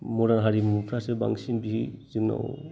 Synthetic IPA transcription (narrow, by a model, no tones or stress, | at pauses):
mɔɾanɦaɾimupʰɾasɛba̰ŋsinbiɦizɯŋna̰w